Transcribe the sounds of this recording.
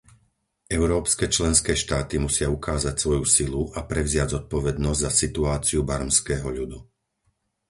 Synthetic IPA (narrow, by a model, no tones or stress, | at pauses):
ʔɛʊɾɔːpskɛːt͡ʃlɛnskɛːʃt̪aːt̪imusɪaukaːzacsʋɔjusiluʔapɾɛʊzɪaɟzɔt̪̚pɔʋɛd̪nɔzɟzasit̪uaːt͡siubaɾmskɛːɦɔʎud̪u